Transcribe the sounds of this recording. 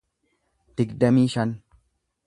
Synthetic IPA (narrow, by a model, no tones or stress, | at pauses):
d̪̥ɪɡd̪ɐmiːʃɐn